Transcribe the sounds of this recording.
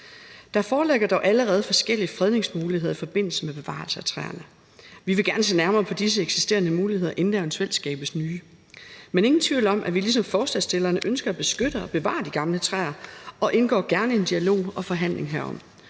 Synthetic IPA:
d̥ɑ̈fɒːleɡ̥ɐd̥ɒʊʔæləʁɛːð̞̩ˠfɒ̽sɡ̥el̰iəfʁɛð̞ˠne̝ŋsmuːlihe̝ðˠɐifɒ̽b̥e̝n̰l̩səmeb̥e̝ʋɑ̰̈lsəæt͡sʰʁɛ̰ːɐnə | ʋiʋe̝ɡ̥æɐnəse̝̰ːnæɐmɐːpʰɒ̽d̥is̬əeɡ̥si̥sd̥e̝̰ːɐnəmuːlihe̝ð̰ˠɐʔe̝nd̥æɒnsʰel̰sɡ̥ɛ̰ːb̥əsnyː | mene̝ŋn̩t͡sʰʋḭʊlɒ̽mʔæʋilis̬ɒ̽mfɒːsd̥ɛsd̥e̝lɐːnəʔønsɡ̥ɐæb̥e̝sɡ̥øɾ̥əɒ̽b̥e̝ʋɑ̰̈ːd̥iɡ̥ɑ̈mlət͡sʰʁɛ̰ɐɒ̽ʔe̝nɡ̥ɒ̰ːɡ̥æɐnəe̝nd̥iælo̝̰ːɒ̽fɒ̽ɦæn̰le̝ŋɦæɐɒ̽m̰

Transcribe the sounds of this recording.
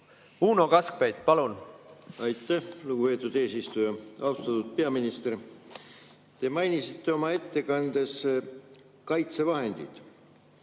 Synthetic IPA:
uːnokɑsk̚pejt̪pɑlunɑjt̪ːˑæhluɡ̥upe̞ːt̪ːˑud̪̥e̞ːsist̪ujɑɑwst̪ɑt̪ud̪̥̚pe̞ɑminist̪e̞r | t̪e̞mɑjnisit̪ːe̞o̞mɑe̞t̪ːe̞kɑnd̪̥e̞s | kɑjt̪se̞vɑɦe̞nd̪̥ḭd̪̥

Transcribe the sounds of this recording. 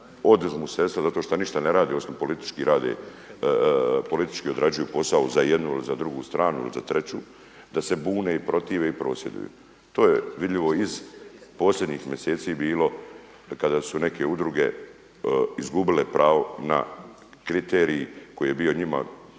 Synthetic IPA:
o̞d̪zmusest̪azat̪oʃt̪oniʃt̪ane̞ɾaːd̪iosopo̞lit̪i̥t͡ʃkiɾaːd̪ḛ | po̞lit̪i̥t͡ʃkio̞d̪ɾad͡ʑujupo̞sauzajed̪nuilizad̪ɾuɡuːst̪ɾaːnuḭlḭzat̪ɾe̞t͡ɕṵː | d̪ase̞buːneːipɾo̞t̪iːʋe̞ipɾo̞ːsje̞d̪ṵjṵ | t̪oːjeʋid̪ʎʲiʋo̞izpo̞ːslʲʎʲed̪ɲiːxmʲje̞seːt̪siːbiːlo̞ | kad̪aːsune̞kʰeud̪ɾuɡe̞̰ | izɡubilepɾʔaːʋo̞na̰ | kɾit̪eːɾiːko̞jije̞biːo̞ɲima̰

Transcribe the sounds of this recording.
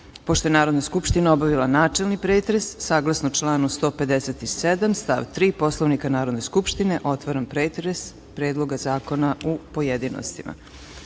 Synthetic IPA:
poʃt̪o̞jnaːɾod̪naskupʃt̪inaobaʋilˠanaːt͡ʂe̞lnipɾeːt̪ɾesːaːɡlˠasnout͡ʃlˠaːnust̪o̞ːpe̞d̪eset̪ised̪amst̪a̰ʋt̪ɾiːpo̞slˠoʋnikanaːɾo̞d̪neskupʃt̪ine̞ʔo̞t̪ʋaɾampɾeːt̪ɾes | pɾeːd̪lˠo̞ɡazaːko̞naupojed̪ino̰st̪imʔa̰

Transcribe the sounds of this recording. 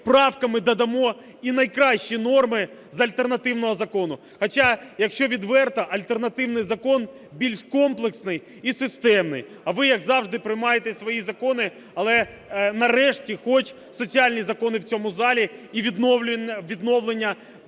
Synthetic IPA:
pɾɑwkɐmɪd̪ɐd̪ɐmɔ | inɐjkɾɑʃt͡ʃinɔrmɪ | zɐlʲt̪ernɐt̪ɪwn̪ɔɦɔzɐkɔnʊ | xɐt͡ʃɑjɐkʃt͡ʃɔʋʲid̪ʋɛrt̪ɐʔɐlʲt̪ernɐt̪ɪwnɪjzɐkɔn | bʲilʲʃkɔmplˠeksnɪj | isɪst̪ɛmnɪ̰j | ɐʋɪjɐɡzɑwʐd̪ɪpɾɪjmɑjet̪esʲʋɔjizɐkɔnɪ | ɐlˠɛ | nɐɾɛʃtʲixɔt͡ʃ | sɔt͡sʲialʲnʲizɐkɔnɪwt͡sʲɔmʊzɑlʲiiʋʲid̪nɔʋʲid̪nɔwlˠenʲːɐ

